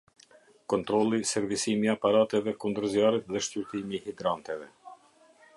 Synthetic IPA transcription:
kɔnt̪ɾɔlˠisɛɾvisimiapaɾat̪ɛvɛkund̪əɾzjaɾit̪ðɛʃcuɾt̪imihid̪ɾant̪ɛvɛ

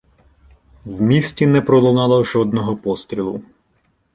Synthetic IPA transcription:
wmʲisʲtʲinɛpɾɔlˠɔnɑlˠɔʒɔd̪nɔɦɔpɔst̪ɾʲilˠʊ̰

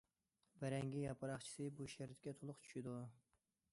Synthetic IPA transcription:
bɛɾɛŋɡʲijɑpɨɾɑχt͡ʃʰi̥sɨbuʃæɾɪt̪kʲɛt̪ʰolˠʊχt͡ʃʰy̥ʃid̪u

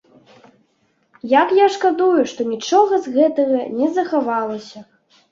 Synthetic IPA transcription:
jakjaʂkad̪ujuʂt̪ɔnʲit͡ʂɔɣɐzɣɛt̪ɐɣɐnʲɛzɐxavalˠɐsʲɐ

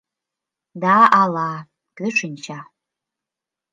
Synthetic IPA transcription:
daʔala | ɡ̥ɨʂʰɨnt͡ʃʰa

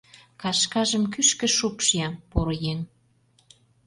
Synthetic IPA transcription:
kɑʃkɑʒəmkyʃkə̆ʃupʃijɑpoɾojeŋ

